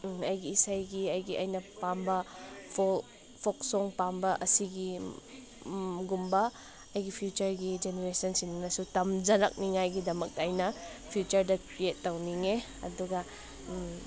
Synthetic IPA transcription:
ɐjɡiːsajɡiɐjɡiʔɐ̰jnɐpambɐpʰo | pʰoksoŋpambɐʔɐsiɡi | ɡumbɐ | ɐjɡipʰjut͡ʃɐɾɡid͡ʒeneɾesɐnsinnɐsutɐmd͡ʒɐɾɐk̚niŋajɡidɐmɐk̚tɐːjnɐpʰjut͡ʃɐɾdɐkɾietːɐwniŋe | ɐ̰duɡɐ

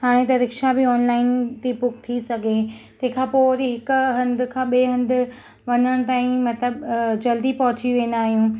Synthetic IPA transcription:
haːɽ̃ẽt̪ɐɾɪkʃabɪɔːnlaːɪnt̪ipʊk̚t̪ʰisɐɡʱet̪ɐɦɪ̃kʰãːpoːɾiɦɪkʊɦɐ̃nd̪ɪ̆kʰãːɓeɦɐ̃nd̪ʊ̆ | ʋɐnəɽ̃t̪aːĩmɐt̪ləbd͡ʑɐld̪ipɐɦʊt͡ɕiʋẽːn̆d̪aːɦijũː

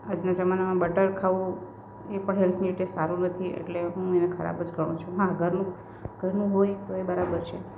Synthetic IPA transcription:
ad͡ʒnad͡ʒəmanamãbəʈəɾkʰaʋũ | epəɳɦelt̪ʰniʈesaɾũnət̪ʰiḛʈleɦũenekʰəɾa̰bəd͡ʒɡʱəɽ̃ũt͡ʃʰuɦãɡʱəɾnũ | ɡəɾnũɦojt̪oebəɾabəɾt͡ʃʰe

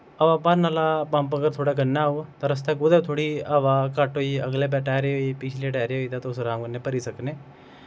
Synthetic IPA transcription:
əʋaːpaɾnaːlapə̃mpəɡəɾt̪ʰoːɽaːk̬ənːaːut̪aɾəst̪aːkʊd̪eːt̪ʰoːɽiːaʋaːkəʈɦoːiːəɡleːp̬ɛːʈɛːɾeɦoːiːpit͡ʃʰleːʈɛːɾeːɦoːiːt̪aːt̪osɾãːmkənːẽːpəɾiːsəkneː

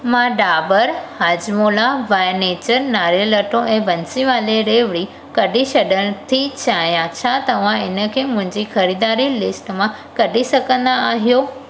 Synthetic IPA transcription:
mãɖaːbəɾhaːd͡ʑmoːlaʋaːɪneːt͡ɕəɾnaːɾəlɐʈʰõʔɛ̃ːbɐnsiʋaːleɾeːʋɪɽi | kɐɗisɐɗəɽ̃̆t̪ʰit͡ɕʰaːɦijãt͡ɕʰaːt̪ɐʋ̤ãɪnə̆kʰeːmʊ̃ɦɪ̃ɲd͡ʑixɐɾiːd̪aːɾilɪsʈmã | kɐɗisɐɡʱə̃nd̪aaːɦijoː

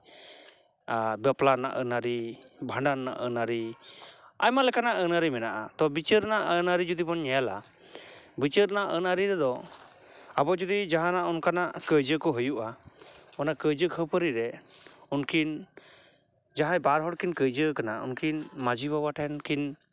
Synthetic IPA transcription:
abəplana̰ʔənaɾibʱaɳɖanːa̰ʔənaɾi | ajmalɛkanaʔənaɾimɛnaʔat̪ɔbit͡ʃəɾnaʔənaɾid͡ʒud̪ibɔnɲɛjala | bit͡ʃəɾnaʔə̰naɾiɾɛd̪ɔ | abɔd͡ʒud̪id͡ʒaɦãnaʔunkanaʔkəjd͡ʒəkɔɦujuʔaɔnakəjd͡ʒəkʰəpəɾiɾɛunkʰin | d͡ʒaɦãjbaɾɦɔɽkinkəjd͡ʒəkanaṵnkʰinmad͡ʒibabaʈʰɛnkin

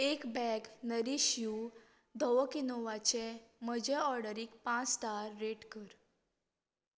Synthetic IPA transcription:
ekbɛɡnəɾiɕiu | d̪ʱəʋəkinoʋat͡ɕeməd͡ʑeɔɾɽəɾiːkpãt͡sːt̪aɾːeʈkəɾ

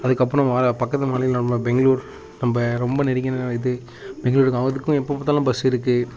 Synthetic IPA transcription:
ɐðɯkːɐp̬ːɾ̃ɔ̃ʋaːɾɐpɐkːɐt̪ːɯmaːlɪjɪlɐmbɐbɛŋɡɐɭuːɾ | nɐmbɐɾɔmbɐnɛɾɪkːɐnɐʋɐɪðɯ | bɛŋɡɐluːɾɯkːɯɐʋɐðɯkːʊ̃ɛpːɐpːɐːt̪ːɐlãbɐsɪɾɯk̬ːɯ

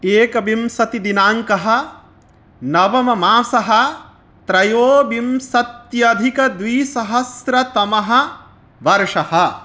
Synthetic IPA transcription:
eːkɐbimsɐt̪id̪inaːŋkɐɦɐ̆ | nɐʋɐmɐmaːsɐɦɐ | t̪ɾɐjoːbimsɐt̪jɐd̪ʱikɐd̪ʋiːsɐɦɐsɾɐt̪ɐmɐɦɐ̆ | ʋɐɾʂɐhɐ̆

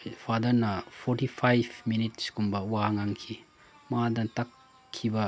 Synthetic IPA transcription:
pʰadɐɾnɐpʰɔɾtipʰajbminit̚si̥kumbɐwaŋaŋkʰi | madɐntakʰː | ibɐ

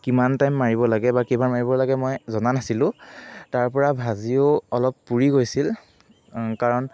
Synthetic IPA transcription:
kimantajmːaɹibɔlaɡɛbakimanmaɹibɔlaɡɛmɔjzɔnanasilʊ̃taɹpɔɹabʱazioɔlɔpːuɹiɡojsil | kaɹɔn

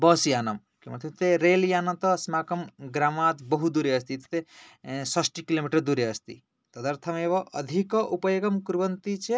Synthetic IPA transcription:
bɔsijaːnɐm | kiomɐnt̪ʰt̪eɾeːljaːnɐt̪ɔsmaːkɐmɡɾaːmaːt̪bɔɦud̪uɾeɐst̪it̪e̥t̪esɐsʈikilomiʈɐɾd̪uɾeɐst̪ḭ | t̪ɐd̪ɐɾt̪ʰɐmeʋɔ̃ʔɐ̰d̪ʱikɔʔupɐjoɡɐmkuɾbɐnt̪it͡ʃʰe

